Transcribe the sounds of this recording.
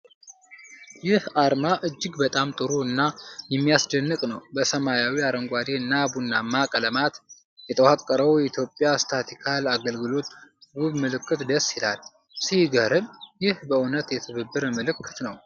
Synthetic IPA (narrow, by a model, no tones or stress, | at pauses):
jɪhaɾmaʔɨd͡ʒːɪɡbət̪ʼamt̪ʼɨɾuɨnːajɛmːijasd̪ənːɨkʼnəwbəsəmajawiaɾəŋɡʷad̪eɨnːabunːamːakʼələmat̪ | jɛt̪ʰəwakʼːəɾəwjɛit̪ʰjopʼːjast̪ʰat̪ʰikʰalaɡəlɡɨlo̞t̪wʊβmɨlɨkʰːɨt̪d̪əsːila̰l | sihɡəɾɨmjɪhbəunət̪jɛt̪ʰɨβɨbːɨɾmɨlɨkʰːɨt̪nəw